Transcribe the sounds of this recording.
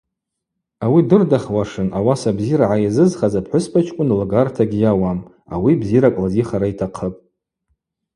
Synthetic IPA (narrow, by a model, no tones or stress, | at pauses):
awidɨrdaχwaʂɨnʔawasabziɾaʕajazɨzχazapħʷʊspʰat͡ʃʰʼkʷʼʊnlɡartʰaɡʲijawam | a̰wibziɾakʷʼlaziχaɾaitʰaqʰəpʼ